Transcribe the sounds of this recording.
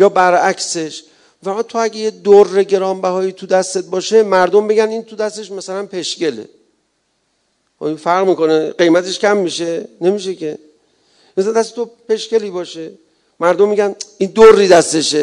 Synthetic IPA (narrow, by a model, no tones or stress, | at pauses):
jɒːbæɾækse̞ʃ | mifæɾmæːd̪̚t̪ʰoæɟejed̪orːeɟe̞ɾɒːmbæɦɒːjiːt̪ʰud̪æst̪e̞t̪̚bɒːʃe̞mæɾd̪ombe̞ɡænint̪ʰud̪æst̪e̞ʃmæsælænpʰe̞ʃce̞lḛ | o̰infæɾʁmiːko̞neɢe̞jmæt̪ʰe̞ʃkʰæmːiʃe̞ne̞miʃ̬e̞kʰe̞ | esnd̪æst̪et̪ʰope̞ʃke̞liːbɒːʃe̞ | mæɾd̪omːiɡænind̪orːiːd̪æst̪e̞ʃe